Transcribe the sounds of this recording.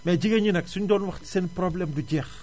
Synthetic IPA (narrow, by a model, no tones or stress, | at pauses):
mɛd͡ʒiɡɐɲinɛksuɲdɔːnwɐxti̥sɛnprɔblɛmduɟɛːx